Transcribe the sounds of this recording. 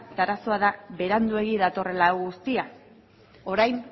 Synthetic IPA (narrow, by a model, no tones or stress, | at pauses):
t̪aɾaso̞aðaβe̞ɾand̪ue̞ɣiðat̪o̞re̞laɣust̪ia | o̞ɾajn